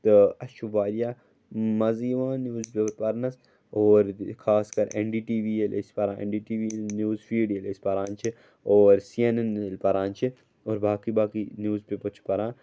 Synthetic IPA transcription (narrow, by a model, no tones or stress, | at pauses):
t̪ɨɐʃuʋaːɾijaː | mɐziːʋãːnjuːzpeɾpɐɾnɐs | oːɾkʰaːskɐɾʔḛɳɖiːʈiːʋiːelʔḛspɐɾãːḛɳɖiːʈiːʋinjuːzfʰiːɖielespɐɾãːnt͡ʃʰi | oːɾsienɐnelpɐɾãːnt͡ʃʰi | oːɾbaːkibaːkinjuːzpepɐɾt͡ʃʰi̥pɐɾãː